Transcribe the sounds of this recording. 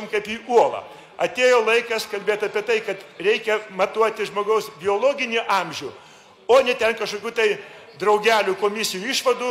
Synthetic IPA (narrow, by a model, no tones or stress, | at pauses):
mkɐɪpiːʔuɔlˠɐ̰ː | ɐt̪ʲeːjoːlˠɐɪkɐskɐlʲbʲeːt̪ɐpʲiɛt̪ɐɪkɐt̪ɾʲɛɪkʲɛmɐt̪uɔt̪ʲɪʒmoːɡɐʊsbʲɪoːlˠoːɡʲɪnʲɪʔɑmʲʒʲu | oːnʲɛt̪ʲɛnkɐʃkoːkʲuːt̪ɐɪ | d̪rɐʊɡʲæːlʲuːkoːmʲɪsʲɪjuːiʃʋɐd̪uː